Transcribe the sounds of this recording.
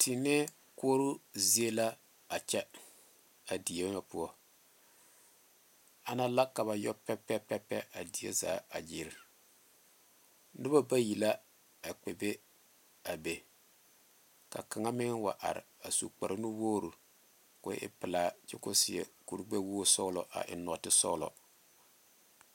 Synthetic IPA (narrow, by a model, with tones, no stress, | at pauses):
tʰi˨nɛ˦ | ko˦ɾu˦zi˦e˦la˦ | a˨t͡ʃɛ˦ | a˨di˨e˦ma˨pu˦ɔ˦ | a˨na˦la˦kːa˨βa˨jɔ˦pɛ˦pɛ˦pɛ˦pɛ˦a˨di˨ḛ˦za̰ː˨˦a̰˨d͡ʒɪ˦ɾɪ˨ | nɨ˦a˦ba˦ji˨la˦ | a˨k͡pe˨be˦ | a˨be˦ | ka̰˨ka˨ŋa˦mɪ˦ŋwa˨ʔa̰˨ɾɪ̰˨a˨sṵ˨k͡pa˨ɾnu˦woː˦ɾu˨ | kʊ̰˨˦ʔɪ̰˦pɪ˨laː˨t͡ʃɪ˦kʊ˦sɪ˨ɛ̰˨ku˨ɾɡ͡be˦woː˦sɔ˦lɔ˨ʔa̰˨ʔɪ̰˨nɔ˨tɪ˦sɔ̰˦lɔ̰˨